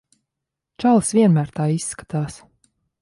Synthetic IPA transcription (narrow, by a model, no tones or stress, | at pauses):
t͡ʃalˠsviɛnmæːɾt̪aːisːkḁt̪aːs